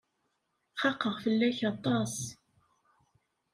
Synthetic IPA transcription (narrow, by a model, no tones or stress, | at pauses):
χɑqːəʁfəlːæçɑt̪ˤɑs